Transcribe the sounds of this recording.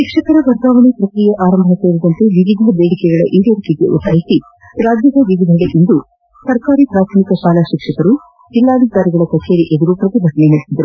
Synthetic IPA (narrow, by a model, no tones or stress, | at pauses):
ʃikʂɐkɐɾɐʋɐɾd̪aːʋɐɳipɾɐkɾijɐʔaːɾɐmbʱɐseːɾid̪ɐnt̪eʋiʋid̪ʱɐbeːɽikɛɡɐɭɐ̰ʔiːd̪ɐɾikiɡ̪ḛʔṵt̪aːjit̪i | ɾaːd͡ʒjɐd̪ɐʋiʋid̪ʱɐɽeʔind̪u | sɐɾkaːɾipɾaːt̪ʰɐmikɐʃaːlaʃikʂɐkɐɾu | d͡ʒilːaːd̪ʱikaːɾiɡɐɭɐkɐt͡ʃe̞ːɾiʔed̪uɾupɾɐt̪ibʱɐʈɐneɦiɽsid̪ɐɾu